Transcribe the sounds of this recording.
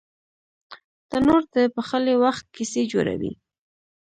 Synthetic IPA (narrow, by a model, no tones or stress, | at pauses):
t̪anoɾd̪əpəxəlewaxt̪̚kised͡ʒo̰ɾa̰wḭ